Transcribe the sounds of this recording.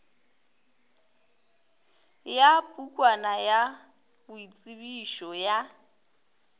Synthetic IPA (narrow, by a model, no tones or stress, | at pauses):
japʼukʼwanaja | bʊit͡sʼiβiʃɔja